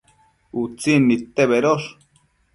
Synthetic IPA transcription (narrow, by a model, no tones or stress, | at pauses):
ut͡sinːit̪eβeɾoɾ